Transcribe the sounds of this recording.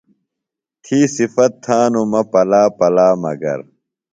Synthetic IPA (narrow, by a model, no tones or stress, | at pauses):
t̪ʰiːsifɐt̪ʰːaːnumɐpɐlaːpɐlaːmɐ̰ɡɐ̰ɾ